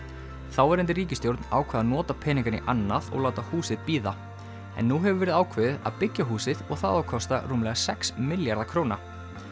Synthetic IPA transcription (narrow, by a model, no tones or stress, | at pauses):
θawɛɾɪnt̪̬ɪriːcɪst̪jowɾt̪na̰ːwkʰvɛːðaðnɔːt̪apʰɛːniŋkaɾnɪ̰ʔanːaðɔ̰ɣlaːwt̪ahuːsɪðpiːða | ɛ̰nːuɦɛvʏɾvɛːɾɪðaːwkʰvɛðɪða̰ðpɪcːaɦuːsɪðɔɣθa̰ðawkʰɔst̪a̰ruːmlɛɣasɛksmɪljaɾðakʰɾowna